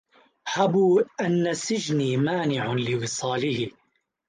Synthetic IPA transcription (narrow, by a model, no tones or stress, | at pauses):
ħabuːʔanːasɪd͡ʒniːmaːnɪʕalɪwɨsˤɑːlɪhɪ